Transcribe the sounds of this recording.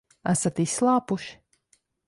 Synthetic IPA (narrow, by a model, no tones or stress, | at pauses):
æsat̪isːlˠɑːpuʃi̥